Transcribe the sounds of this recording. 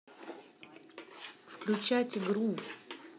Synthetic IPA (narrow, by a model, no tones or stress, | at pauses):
fklʲʉt͡ɕatʲɡɾu